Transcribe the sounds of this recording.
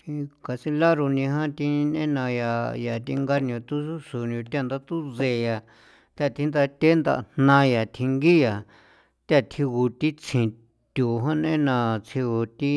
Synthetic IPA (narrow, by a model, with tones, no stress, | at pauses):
t̪i˧ka˧si˧la˦ɾu˧nĩ˧ɦã˦t̪ĩ˧nḛ̃˦nã˧ja˨ja˨t̪i˧ŋɡa˧n˧õ˧t̪u˦su˦su˨nũ˧t̪a˧nd̪a˧t̪u˦ze˧˨ja˨ | t̪a˦˧˨t̪ʰi˧nd̪a˧t̪ʲe˦nd̪a̰˧ʔn̥nã˧ja˨t̪ʰi˧ŋɡi˦ja˨ | t̪a˦˧˨t̪ʰi˧ɣu˧t̪i˦t͡sʰĩ˨ | t̪ʲu˨ɦã˦nḛ̃˦nã˧t͡sʰi˧ɣu˧t̪i˦